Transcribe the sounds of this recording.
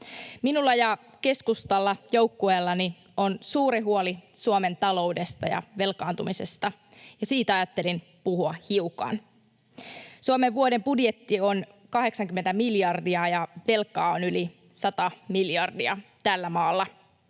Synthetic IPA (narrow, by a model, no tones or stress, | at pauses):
minulːɑjɑ | ke̞skust̪ɑlːɑjo̞wkːueːlːɑni | ʔo̞nsuːɾiɦuolisuome̞nt̪ɑlo̞wde̞st̪ɑ̰jɑ̰ʋe̞lkɑːnt̪umise̞st̪ɑ | jɑsiːt̪ɑjɑt̪ːe̞lin | puɦuɑhiukɑ̰n | suomeʋʋuode̞mbudje̞t̪ːio̞n | kɑɦe̞ksɑŋkymːent̪æmiljɑrdiɑjɑʋe̞lkːˑɑːonyli | sɑt̪ɑmiljɑrdiɑt̪ælːæmɑːlːɑ